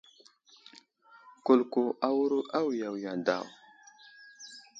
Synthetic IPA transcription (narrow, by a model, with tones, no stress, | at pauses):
ku˨lku˨ʔa˦wu˦ɾu˦ʔa˦wja˨wja˨da̰˨w